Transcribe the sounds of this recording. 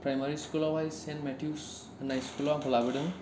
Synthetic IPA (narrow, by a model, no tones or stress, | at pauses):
pɹajmaɹiskulɔwajsɛnmɛtʰijus | najskulɔapʰɔlabidɯŋ